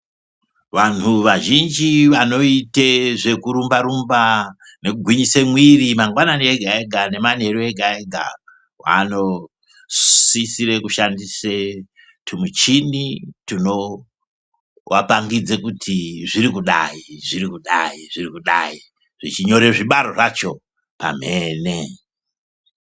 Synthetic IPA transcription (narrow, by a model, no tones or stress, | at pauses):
ʋan̤uʋaʒind͡ʒiʋano̞iteʐe̞kuɾumbaɾumba | ne̞kuɡʱwiɲise̞mwirimaŋɡwananieɡʱae̞ɡʱane̞man̤e̞rueɡʱaeɡʱa̰ | wa̰no̞ | sisire̞kuʃandise | tʰumut͡ʃinitino̞ | wapaŋɡid͡zekutʰiʐiɾikuɗa̰iʐirikuɗaiʐirikuɗai | ʐ̥it͡ʃiɲo̞ɾeʐiɓaɾo̞ʐat͡ʃo̞ | pa̰m̤eːne